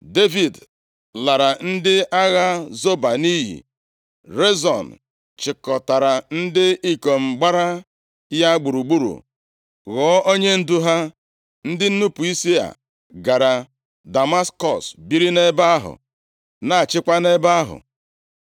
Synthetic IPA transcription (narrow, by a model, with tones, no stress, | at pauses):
de˦vi˨d | la˨ɾa˨n̩˦dɪ˦a˦ɣa˦zo˦ba˨ni˦ɦḭ˨ | ɾe˦zɔ˨n | t͡ʃɪ˨kɔ˨ta˨ɾa˨n̩˦dɪ˦i˦ko˨m̩˨ɡ͡ba˦ɾa˦ | ja˦ɡ͡bu˨ɾu˨ɡ͡bu˦ɾṵ˨ | ɣɔː˨˦ʔo˦ɲe˦n̩˦du˦ɦa˦ | n̩˦dɪ˦n̩˦nu˦pu˨i˦si˦a̰˨ | ɡa˨ɾa˨ | da˨ma˦skɔ˨sbi˦ɾi˦ne˦ba˦a˦ɦʊ̰˨ | na˨a˨t͡ʃɪ˦kʷa˦ne˦ba˦a˦ɦʊ̰˨